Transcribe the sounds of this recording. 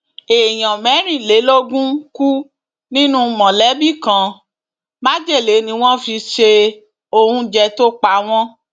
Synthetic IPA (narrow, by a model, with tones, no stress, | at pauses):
e˨j̃ɔ̃˨mɛ˨˦ɾ̃ĩ˦˨le˨˦lo˦ɡũ˦ku˦ | nĩ˦nũ˦mɔ̃˨lɛ˨˦bi˦˨kã˨˧˦ | ma˦d͡ʒe˦˨le˨˦nĩ˧w̃ɔ̃˦fi˧ʃe˧ | o˧hũ˧d͡ʒɛ˧to˦k͡pa˧˦w̃ɔ̃˦